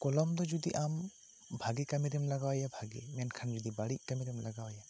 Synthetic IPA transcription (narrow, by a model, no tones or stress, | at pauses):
kɔlɔmd̪ɔd͡ʒud̪ḭʔam | bʱaɡekamiɾimlaɡawajabʱaɡḛmankʰand͡ʒud̪ibaɽiʔ̚kamiɾimlaɡawaja